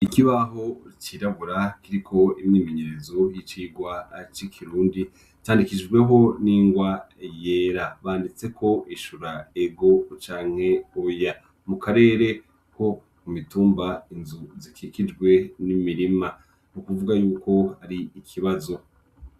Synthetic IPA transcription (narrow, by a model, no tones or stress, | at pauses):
ikiβaɦo̞ɾit͡ʃiɾaβuɾakiɾikʰo̞imɲiːmeɲe̞ɾe̞zo̞jit͡ʃiːɡwat͡ʃikʰiɾuːndi | t͡ʃaːndikid͡ʒɡwe̞ɦo̞niːŋɡwa | jeːɾaβaːndit͡se̞kʰo̞ʔiʃuɾaeɡo̞t͡ʃaːŋ̥he̞oja | mukaɾe̞ːɾe̞ | kʰo̞ | kumituːmbainzuzikʰikid͡ʒɡwe̞nimiɾima | nukuvuɡajuːko̞aɾiːkʰiβazo̞